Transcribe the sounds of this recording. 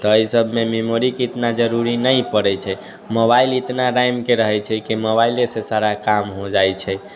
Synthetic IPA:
t̪ɔəjsəbʱmememoɾikit̪nad͡ʒəɾuɾinəjpəɽɛt͡ʃʰɛ | mobailit̪naɾajmkeɾəɦɛt͡ʃʰɛkimobailesesaɾakamɦod͡ʒajt͡ʃʰɛ

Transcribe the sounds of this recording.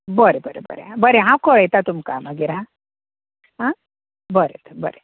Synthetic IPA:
bəɾebəɾḛbə̰ɾḛɦãbəɾeɦãwkɔɭəjt̪at̪umkaməɡiɾɦã | ɦã | bəɾḛt̪əbə̰ɾe

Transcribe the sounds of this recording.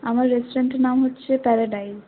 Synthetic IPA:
a̰maɾːesoɾeɳʈenamɦotːt͡ɕʰepɛɾaɖajz

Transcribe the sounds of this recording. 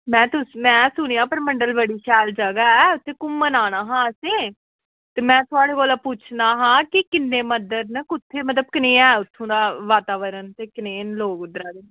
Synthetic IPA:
mɛ̃ːt̪ʊsmɛ̃ːsʊɳ̃iãːpəɾməɳɖəlbəɽiːʃɛːld͡ʒəɡaːɛːʊt̪ʰːẽːkʊmːənaːnaːɦãːəsẽː | t̪eːmɛ̃ːt̪ʰʊaːɽeːkoːlaːpuːt͡ʃʰnaːɦãːkɪkɪnːẽːməd̪əɾnəkʊt̪ʰːeːmət̪ləb̚kəneːɛːʊt̪ʰːõːd̪aːʋaːt̪aːʋəɾənt̪eːkəneːnloːɡʊd̪ɾaːd̪eː

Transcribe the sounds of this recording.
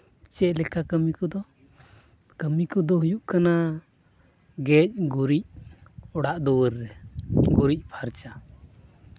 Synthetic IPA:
t͡ʃɛʔlɛkakəmikɔd̪ɔ | kəmikɔd̪ɔɦujuʔkana | ɡɛc̚ɡuɾic̚ɔɽaʔd̪ɔwəɾːɛɡuɾic̚ˀpʰaɾt͡ʃa

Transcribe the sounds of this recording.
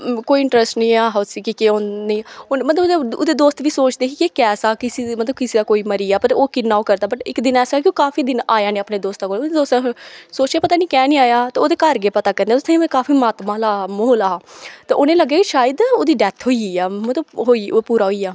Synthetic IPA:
koːiːɪɳʈɾəsʈnĩːaːɦasiːkikeoniːomət̪ləb̪əbo̰d̪eːd̪oːst̪ʋiːsoːt͡ʃd̪eːkikekɛːsaːkɪsiːmət̪ləbkɪsiːd̪aːkoːiːməɾiːaːpəɾoːkɪnãːoːkəɾd̪aːbəʈɪkd̪ɪnɛːsaːkɪoːkaːfiːd̪ɪnaːjaːnĩːəpneːd̪oːst̪aːkoːod̪ed̪oːst̪soːt͡ʃaːpət̪aːnĩːkɛːnĩːaːjaːt̪eoːd̪eːkəɾɡeːpət̪aːkəɾnd̪eːt̪t̪ʰːimkaːfiːmaːt̪mãːlaːmoːlaːt̪aːʔʊnẽːləɡːaːkiʃaːjəd̪oːd̪iːɖɛːt̪ʰɦoːiiːaːmət̪ləbɦoːiːoːpuːɾaːɦoiːaː

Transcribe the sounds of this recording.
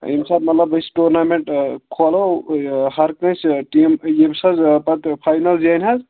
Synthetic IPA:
ḭmsab̚mɐt̪lɐbəsʈuɾnameɳʈkʰolohɐɾknɐ̃sʈimebsɐzpɐt̪pʰajnɐld͡ʒianʲɦɐz

